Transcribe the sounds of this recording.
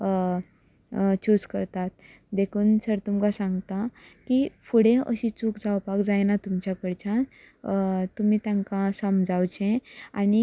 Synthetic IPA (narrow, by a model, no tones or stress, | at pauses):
t͡ɕuskəɾt̪at̪̚ | d̪ekʰuːnsəɾt̪umkasãŋɡt̪akifuɽẽə̰ɕit͡suːkd͡zawpakd͡zajnat̪umt͡ɕjakəɽt͡ɕã | t̪um̤iːt̪jaŋkãsəmd͡zawt͡ɕẽani